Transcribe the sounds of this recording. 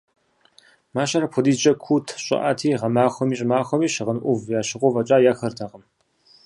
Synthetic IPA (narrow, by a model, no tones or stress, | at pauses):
maːɕɐɾɐpʰʊdiːt͡ʃʼɐkʷʰuːtʰɕʼɪ̰ʔa̰ːtʰiːʁɐmaːxʷɔmiːɕʼɪmaːxʷɔmiːɕɨʁənʔʷʊvjaːɕɪʁʷɔvɐt͡ʃʼaːjaːxɐrtʰɐqəm